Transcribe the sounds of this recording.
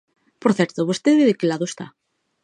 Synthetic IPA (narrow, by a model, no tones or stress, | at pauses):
poɾθjeɾt̪oβost̪eðβeðekelaðoest̪a̰